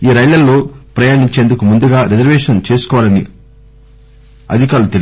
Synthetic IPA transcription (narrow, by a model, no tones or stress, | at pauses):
iːɾɐjlɐlːoːpɾɐjaːɳiɲt͡ʃeːnd̪ukumund̪uɡaːɾizɐɾʋeːʂɐnt͡ʃe̞ːsu̥kɔːʋaːlɐnḭ | ɐ̰d̪ʱikaːɾlut̪el